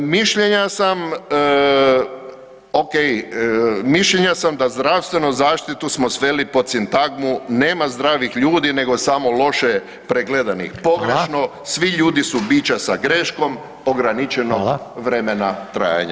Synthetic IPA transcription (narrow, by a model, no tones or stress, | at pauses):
miʃʎeɲasam | okej | miʃʎeɲasamd̪azd̪ɾawst̪ʋe̞nuzaːʃt̪it̪usmo̞sʋe̞lipo̞t̪sint̪aɡmuneːmazd̪ɾaːʋixʎuːd̪ine̞ɡo̞samo̞lo̞ʃe | pɾeɡled̪anḭxpo̞ɡɾeʃno | sʋiʎuːd̪isubiːt͡ɕasaɡɾeʃko̞m | oɡɾanit͡ʃenoɡʋɾe̞menat̪ɾa̰ːja̰ɲa̰